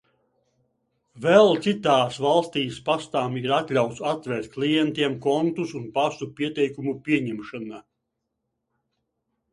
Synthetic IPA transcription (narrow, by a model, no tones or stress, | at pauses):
vɛlˠt̪sit̪aːsvalˠst̪iːspast̪aːmiɾat̪lʲawt̪sat̪ːvʲɛɾt̪̚klˠijɛnt̪iɛmkɔnt̪usunpasupʲiɛt̪ɛjkumupʲiɛɲɛmʃana